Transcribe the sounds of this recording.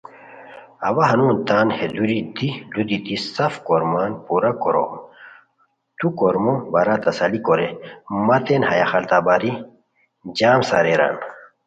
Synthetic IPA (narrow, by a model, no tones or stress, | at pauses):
ɐwɐɦɐnuːnt̪aːnhed̪uɾid̪ilud̪it̪isɐfkoɾmaːnpuɾɐkoɾo̰m | t̪ukoɾmobɐɾat̪ɐsɐlikoɾemɐt̪enhɐjaxɐlt̪aːbaːɾi | d͡ʑaːmsa̰ɾeɾa̰n